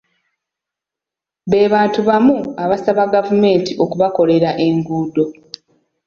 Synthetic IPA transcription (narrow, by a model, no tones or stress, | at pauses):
βe̞ːβaːntuβamuaβasaβaɡavume̞ːntiʔo̞kuβako̞le̞ɾaʔe̞ŋɡuːdo̞